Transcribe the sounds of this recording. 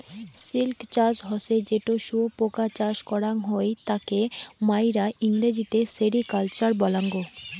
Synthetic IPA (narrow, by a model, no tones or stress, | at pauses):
silkt͡ɕad͡ʑɦɔsed͡ʑeʈoʃuopokat͡ɕaʃkɔɾaŋɦoejt̪akemajɾaʔiŋd̪ed͡ʑit̪eseɾikalt͡ɕaɾbɔlaŋɡo